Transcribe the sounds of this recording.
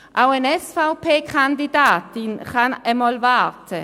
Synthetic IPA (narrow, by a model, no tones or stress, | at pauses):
ʔawɛnɛsfawpʰeːkʰand̪id̪aːt̪inχanɛmɔlvaːt̪ʰə